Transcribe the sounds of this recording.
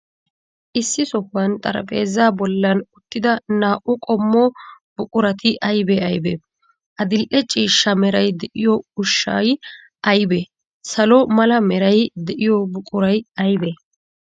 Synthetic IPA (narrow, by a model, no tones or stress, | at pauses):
ʔɪsːɪsɔhːɐnt̪ʼɐ̰ɾɐ̰pʼe̞ːzaːbɔlːɐnʊt̪ːɪd̪ɐnaːʔʊkʼɔmːɔ | b̥ʊkʼʊɾɐt̪ʰɪʔɐjbɛɐjbɛ̰ | ʔɐd̪ɪlʔɛt͡ʃʼiːʃːɐmɛɾɐjd̪ɛʔɪjɔʊʃːɐ̰j | ʔɐjbɛ | sɐlɔmɐlɐmɛɾɐjd̪ɛʔɪjɔbʊkʼʊɾɐjɐjbɛ